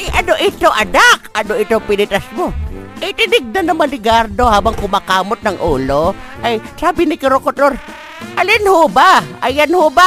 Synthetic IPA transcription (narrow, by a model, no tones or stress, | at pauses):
jʔɐnoʔɪt̪oʔɐnakʔɐnoʔɪt̪opɪnɪt̪ɐsmoʔɪjt̪ɪnɪɡ̚nɐnːɐmanɪɡaɾd̪o̞haːbɐŋkʊmakaːmot̪̚nɐŋʔuːloʔɐjsaːbɪnɪkɪɾokot̪oɾ | ʔɐlɪnhobaɐjanhoba